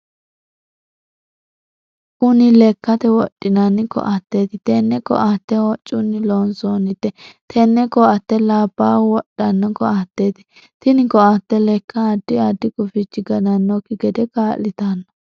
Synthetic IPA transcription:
ʔʊnɪlɛkːɐt̪ɛwɔɗʼːɪnɐnːɪkɔ̰ʔat̪ːet̪ɪt̪ɛnːɛkɔ̰ʔat̪ːɛwɔt͡ʃʼːʊnːɪlonsonɪt̪ːɛt̪ʰɛnːɛkɔɐt̪ːɛlaːbːaːwɔɗɐnːɔkɔat̪ːeːt̪ɛ̥ | t̪ɪnɪkɔat̪ːɛlɛkːɐːd̪ːɪad̪ːɪkʼʊfɪt͡ʃːɪɡɐnɐnːɔkːɪɡɛd̪ɛkaːlːɪt̪anːɔ

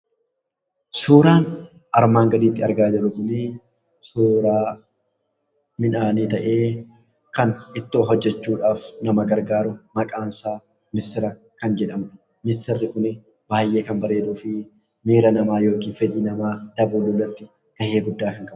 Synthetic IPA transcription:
suːɾaːn | ʔɐɾmaːŋɡɐd̪iːt̪ːɪɐɾɡaːd͡ʒɪɾʊkʊnɪ | suːɾaː | mɪnaːniːt̪ɐʔe̞ː | kɐnɪt̪ːoːɦɔd͡ʒːɛt͡ʃːuːᶑaːfnɐmɐɡɐɾɡaːɾʊmɐkʼaːnsaː | mɪst̪ɪɾɐ | kɐnd͡ʒɛᶑɐmnɐ | mɪst̪ɪrːɪkʼʊnɪ | baːjːe̞ːkɐnbɐɾe̞ːd̪uːfɪ | miːɾɐnɐmaːjo̞ːkiːnfɛᶑiːnɐmaːd̪̥ɐbuːlulːɐt̪ːɪ | ɡ̥ɐhe̞ːɡʊd̪ːaːkɐŋkʼɐb

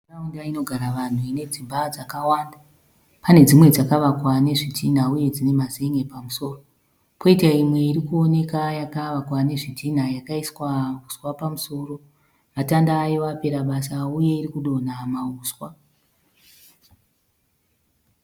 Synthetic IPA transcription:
raundaino̞ɡʱaɾaʋan̤uine̞d͡zibʱad͡zakawanda | pane̞d͡zimwe̞d͡zakaʋakwane̞ʐitʰin̤auje̞d͡zine̞mazeŋɡe̞pamuso̞ːro | ko̞itaimwe̞iɾikuo̞ne̞kajakaʋakwane̞ʐitʰin̤ajakaiswakuswapamuso̞ːro̞ | ʋatandaːjo̞ape̞ɾaɓasauje̞irikuɗo̞namauːswa

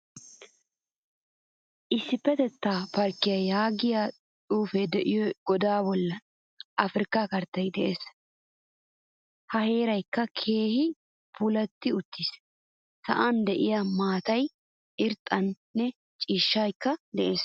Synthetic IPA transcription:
ʔɪsːɪpːɛt̪ɛt̪ːaːpɐɾkːɪjɐjaːɡɪja | tʼuːfɛd̪ɛʔɪjɔɡ̥ɔd̪aːbɔlːɐ | ʔɐfɾɪkakɐɾt̪ːɐjd̪ɛʔeːs | hɐhe̞ːɾɐjkːɐkʰe̞ːhɪ | pʰʊlɐt̪ːɪʊt̪ʰːis | sɐ̰ʔand̪ɛʔɪjɐmaːt̪ɐj | ɪɾt̪ʼɐnːɛ | t͡ʃʼiːʃːajkːɐd̪ɛʔe̞ːs

